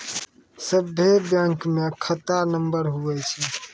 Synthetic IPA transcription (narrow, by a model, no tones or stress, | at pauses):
səbʱːebjãŋkmekʰət̪anəmbəɾɦuʋɛt͡ʃʰɛ